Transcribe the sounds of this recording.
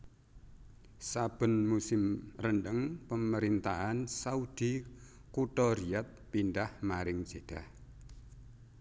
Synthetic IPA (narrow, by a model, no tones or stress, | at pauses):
sab̥ə̤nmusɪmrəɳɖəŋpəməɾint̪aɦansaud̪̥i | kuʈɔɾiat̪̚pinɖahmaɾɪŋ̥d͡ʒ̥ed̥ah